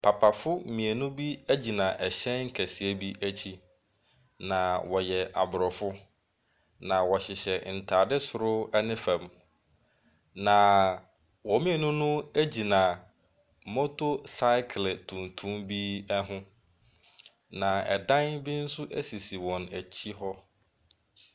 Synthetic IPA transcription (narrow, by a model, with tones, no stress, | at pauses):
pʰa˨pʰa˨fʊ˦mĩ˨e˨nʊ̃˦bi˦æ˦d͡ʑi˨nã˨ʔɛ˨ɕɛ̃˦nŋ̩˦kʰæ˨si˨æ˦bi˦ʔæ˦t͡ɕʰi˦ | nã˨wɔ˨jɛ˨ʔa̰˨bʊ˨ɾɔ˨fʊ˦ | nã˨wɔ˨ɕɪ˨ɕɛ˨n̩˨tʰaː˨dɪ˦sʊ˨ɾʊ˦ɛ˦nɪ̃˦fɛ̃˨m | nã˨ | wɔ˨mɪ̃˦˨nʊ̃˦nʊ̃˦æ˦d͡ʑi˨nã˨ | mɔ˦tʰo˦sa˦ɪ˦kʰltʰũ˨ntʰũ˦mbi˦ɛ˦ɦʊ̃˦ | nã˨ɛ̰˨dã˦nbɪ˦n̩˦sʊ˦ʔæ˦si˨si˨wɔ̃˨næ˨t͡ɕʰi˦ɦɔ˦